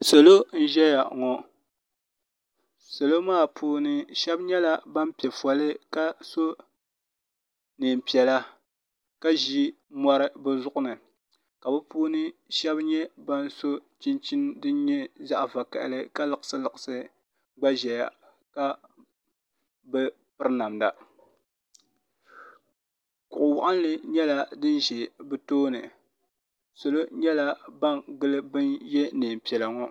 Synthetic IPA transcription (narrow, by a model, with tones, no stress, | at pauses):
so˨lo˦n̩˦ʒɛ˦ja˨ŋɔ˨ | so˨lo˦maː˦˨pʰuː˦nɨ˦ʃɛ˦bɲɛ˦la˦ba˦m˦pɛ˨fɔ˨lɨ˦ka˦so˦ | nɨ˨m˨pi˨ɛ˨la˦ | ka˦ʒi˦ | mɔ˦ɾɨ˦bɨ˦zʊ˦ʔʊ˦nɨ˨ | ka˨bɨ˦puː˦nɨ˦ʃɛ˦bɲɛ˦ba˦n˦so˦t͡ʃi˦nt͡ʃi˦ndɨ˦ɲɛ˦za˦ʔva˨ka̰˨ʔɪ̰˨lɨ˦ka˦lɨ˨kɨ̥˨˦sɨ˦lɨ˨ɨ˨sɨ˦ | ɡ͡ba˦ʒɛ˨ja˨ | ka˦ | bɨ˦ | pɨ˦ɾɨ˦na˨mda˨ | kʊ˨ʔʊ˨wa˨ʔɨ˦n˦lɨ˨ɲɛ˦la˦dɨ˦n˦ʒɛ˨bɨ˦toː˦nɨ̰˨ | so˨lo˦ɲɛ˦la˦ba˦ŋɡɨ˦lɨ˦bɨ˦njɛ˦nɨː˨m˨pɛ˨la˨ŋɔ˦